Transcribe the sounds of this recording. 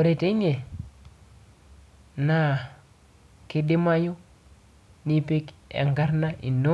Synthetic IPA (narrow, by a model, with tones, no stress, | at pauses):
o˨ɾe˨te˦ɲe˨ | na˦ | ki˦di˦ma˦ju˦ | ni˦pi˦kḛ˨ŋɡa˦ɾna˦ḭ˨nːo˦